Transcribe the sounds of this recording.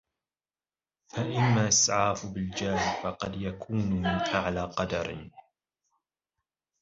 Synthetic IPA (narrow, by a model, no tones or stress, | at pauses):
faʔamːaːʔɪsʕaːfbɪld͡ʒaːhfɑqɑd̪jakʰuːnʊmɪnʔaʕlaːqɑd̪ɑ̰ɾ